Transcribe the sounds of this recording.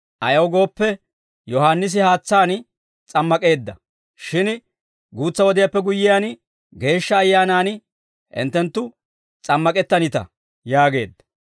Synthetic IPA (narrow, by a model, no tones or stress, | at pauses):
ʔɐjɐwɡo̞ːpːɛ | jɔɦaːnːɪs̬ɪhaːt͡sːaːn | t͡sʼɐmːɐkʼe̞ːd̪ːɐ | ʃɪn | ɡuːt͡sːɐwɔd̪ɪjapːɛɡʊjːɪjaːn | ɡe̞ːʃːɐːjːaːnaːn | ʔɪ̰nt̪ːɛnt̪ːʊ | t͡sʼɐmːɐkʼɛt̪ːɐnɪt̪ɐ̰ | jaːɡe̞ːd̪ːɐ̥